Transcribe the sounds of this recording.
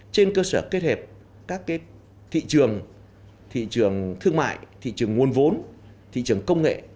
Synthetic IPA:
t͡ɕe˧nkəː˧səː˧˩ke˦˥t̚he˨˩p̚ | kaː˦˥kːaː˨˦j | t̪ʰḭ˧˨t͡ɕɨ˨˩əŋ | t̪ʰḭ˧˨t͡ɕɨ˨˩əŋt̪ʰɨ˧əŋma̰ː˧˨jt̪ʰḭ˧˨t͡ɕɨ˨˩əŋːŋu˨˩ənvo˨˦n | t̪ʰḭ˧˨t͡ɕɨ˨˩əŋkə˧wŋ͡mŋḛ˧˨

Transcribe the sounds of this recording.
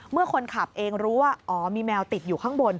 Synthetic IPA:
mɯ˥˩əkʰo˧nkʰa˨˩p̚ʔeː˧ŋɾuː˦˥waː˥˩ʔɔː˩˦miː˧mɛː˧wt̪i˨˩t̪̚juː˨˩kʰaː˥˩ŋbo˧n

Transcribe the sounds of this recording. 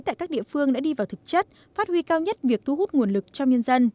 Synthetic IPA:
t̪a̰ː˧˨kaː˦˥k̚ɗḭ˧˨fɨ˧əŋɗa̰ː˧˥ɗi˧vaː˨˩wt̪ʰɨ˨˩˨k̚t͡ɕə˦˥t̚ | faː˦˥t̚hwi˧kaː˧wɲə˦˥t̚vi˨˩ək̚t̪ʰu˧ɦu˦˥t̚ŋu˨˩ənlɨ˨˩k̚t͡ɕɔ˧ŋ͡mɲə˧nzə˧n

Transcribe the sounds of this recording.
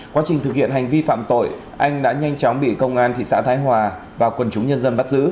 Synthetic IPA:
kwa˨˦t͡ɕï̟˨˩t̪ʰɨ˨˩k̚hḭ˧˨ənɦa˨˩jŋ̟vi˧fa̰ː˧˨mt̪o̰˧˨j | ʔa˧jŋ̟ɗa̰ː˧˥ɲa˧jŋt͡ɕɔ˨˦ŋ͡mɓḭ˧˨kə˧wŋ͡mʔaː˧nt̪ʰḭ˧˨sa̰ː˧˥t̪ʰaː˨˦jɦwaː˨˩ | vaː˨˩kwə˨˩nt͡ɕʊ˨˦ŋ͡mɲə˧nzə˧nɓa˦˥t̚zɨ̰˧˥

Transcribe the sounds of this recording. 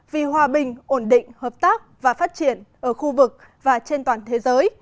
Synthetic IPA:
vi˨˩hwaː˨˩ɓï˨˩ŋ̟ʔo˧˩nɗḭ̈˧˨ŋ̟həː˨˩p̚t̪aː˦˥k̚vaː˨˩faː˦˥t̚t͡ɕi˧˩ənʔəː˧˩xu˧vɨ˨˩k̚ | vaː˨˩t͡ɕe˧nt̪waː˨˩nt̪ʰe˨˦zəː˨˦j

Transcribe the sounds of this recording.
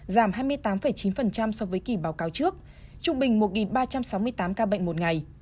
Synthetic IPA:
zaː˧˩mɦaː˧jmɨ˧əjt̪aː˨˦mfə˨˩jt͡ɕi˨˦nfə˨˩nt͡ɕa˧msɔ˨˧vəː˨˦jki˧˩ɓaː˨˦wkaː˨˦wt͡ɕɨ˦˥ək̚ | t͡ɕʊ˧ŋ͡mɓï˨˩ŋ̟mo˨˩t̚ŋi˨˩nɓaː˧t͡ɕa˧msa˨˦wmɨ˧əjt̪aː˨˦mkaː˧ɓə̰˧˨ŋ̟mo˨˩t̚ŋa˨˩j

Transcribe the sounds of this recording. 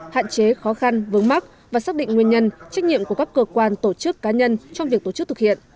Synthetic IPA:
ha̰ː˧˨nt͡ɕe˨˦xɔ˨˦xa˧nvɨ˨˦əŋma˦˥k̚ | vaː˨˩saː˦˥ɗḭ˧˨ŋŋwi˧əɲə˧nt͡ɕa˦˥k̟̚ɲḭ˧˨əmku˧˩kaː˦˥kːəː˧kwaː˧nt̪o˧˩t͡ɕɨ˦˥kːaː˨˦ɲə˧nt͡ɕɔ˧wŋ͡mvi˨˩ək̚t̪o˧˩t͡ɕk̚t̪ɨ˩k̚hḭ˧˨ənʔ

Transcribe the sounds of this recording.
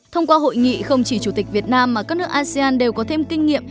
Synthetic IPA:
t̪ʰə˧wŋ͡mkwaː˧ɦo̰˧˨jŋḭ˧˨xə˧wŋ͡mt͡ɕi˧˩t͡ɕu˧˩t̪i˨˩k̟̚vi˨˩ət̚naː˧mːaː˨˩kaː˦˥k̚nɨ˦˥əkʔaː˧si˧aː˧nɗe˨˩wkɔ˨˦t̪ʰe˧mkï˧ŋ̟ːḭ˧˨əm

